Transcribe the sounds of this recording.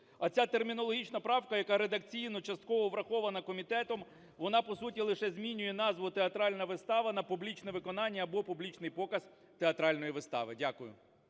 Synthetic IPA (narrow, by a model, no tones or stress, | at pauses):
ɐt͡sʲat̪ermʲinɔlˠɔɦʲit͡ʃnɐpɾɑwkɐjɐkɑɾed̪ɐk̚t͡sʲijnɔt͡ʃɐst̪̚kɔʋɔʋɾɐxɔʋɐnɐkɔmʲit̪ɛt̪ɔm | ʋɔnɑpɔsut̬ʲilˠɪʃɛzʲmʲinʲʊjɛnɑzʋʊt̪eɐt̪ɾɑlʲnɐʋɪst̪ɑʋɐnɐpublʲit͡ʃnɛʋɪkɔnɑnʲːɐːbɔpublʲit͡ʃnɪjpɔkɐz | t̪eɐt̪ɾɑlʲnɔjiʋɪst̪ɑ̰ʋɪdʲakʊjʊ̰